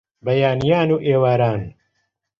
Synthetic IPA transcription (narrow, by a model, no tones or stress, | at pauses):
bɐjaːnijaːnuːʔeːwaːɾaːn